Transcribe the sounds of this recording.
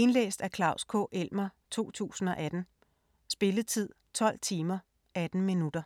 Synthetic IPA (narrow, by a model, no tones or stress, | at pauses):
e̝nlḛːsd̥ækʰlɑ̈ʊskʰɔ̰̽ːʔel̰mɐt͡sʰo̝̰ːt͡sʰṵːsn̩ɒ̽ʔæd̥n̩ | sb̥e̝lət͡sʰið̞̰ˠt͡sʰɒ̽l̰t͡sʰiːmɐ | æd̥n̩minud̥ɐ